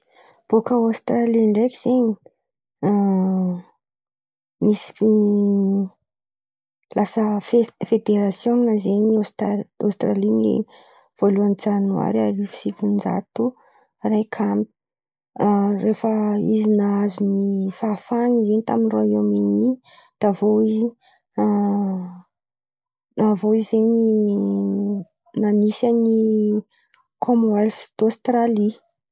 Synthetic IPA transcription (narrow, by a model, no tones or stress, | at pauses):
b̥okəost̪ɾaliɳɖ͡ʐekʲiz̥eɲi | misi̥i | lasəffed̪eɾasjonnəzeɲist̪a̰st̪ɾalinḭ | v̥oluanit͡sanwa̰ɾiaɾifi̥sifund͡ʒa̰t̪u | rajkʰamp | refəizinaazunifafanizenit̪aminroiomini | d̪̥avoizi | navoizeni | nanisani | kʰomoalfi̥d̪̥ost̪rali